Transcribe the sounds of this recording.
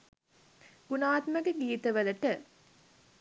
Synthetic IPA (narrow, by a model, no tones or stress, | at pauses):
ɡ̥unaːt̪mɐɡeɡiːt̪ɐʋɐlɐʈɐ